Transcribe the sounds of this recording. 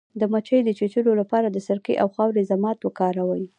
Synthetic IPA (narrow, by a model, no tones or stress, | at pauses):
d̪əmat͡ʃəjd̪ət͡ʃet͡ʃəlolapɑɾad̪əsaɾkḭʔawxɑwɾezamɑt̪wəkɑɾawaj